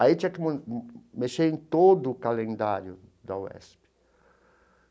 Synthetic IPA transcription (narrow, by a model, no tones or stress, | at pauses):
ait͡ʃiakɪmmeʃejnt̪od̪ʊːkalẽnd̪aɾjʊd̪awɛ̰spɪ̥